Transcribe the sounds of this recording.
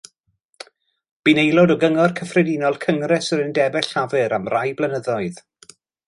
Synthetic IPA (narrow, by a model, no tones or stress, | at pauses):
b̥inejlˠɔdɔɡəŋɔrkʰəfrɛdinɔlˠkʰəŋrɛsəɾəndɛbɛɬavɨɾamrajblˠənəðɔɨð